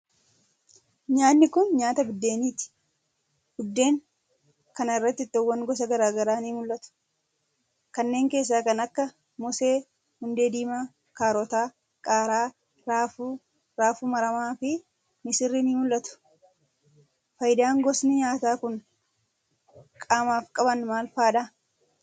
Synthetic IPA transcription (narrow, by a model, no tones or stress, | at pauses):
ɲaːnːɪkʊnɲaːt̪ɐbɪd̪ːe̞ːniːt̪ɪ̥ | hʊd̪ːe̞ːŋ | kɐnɪrːɐt̪ːɪt̪ːɔwːɐŋɡɔs̬ɐɡɐɾaːɡɐɾaːniːmʊlʔɐt̪ʊ̥ | kɐnːe̞ːŋke̞ːs̬ːaːkɐnɐkːɐ | mʊse̞ː | hʊnd̪e̞ːd̪iːmaː | kaːɾɔt̪aː | kʼaːɾaː | ɾaːfu | ɾaːfuːmɐɾɐmaːfɪ | mɪsɪrːɪniːmʊlːɐt̪ʊ̥ | fɐjd̪aːŋɡɔsnɪɲaːt̪aːkʊn | kʼaːmaːfkʼɐbɐnmaːlfaːᶑa